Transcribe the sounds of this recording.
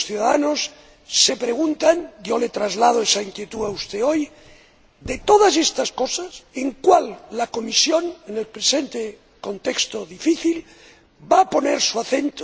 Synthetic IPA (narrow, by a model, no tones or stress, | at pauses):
sθjuðaða̰nosː | e̞pɾeɣ̞unt̪aŋɟ͡ʝo̞let̪ɾazlað̞oesaiŋkjet̪uaust̪eo̞j | d̪e̞t̪o̞ð̞asest̪asko̞saseŋkwalːako̞misjo̞nenelpɾese̞nt̪e | ko̞nt̪ekst̪oðifiθil | bapo̞neɾsuaθe̞nt̪o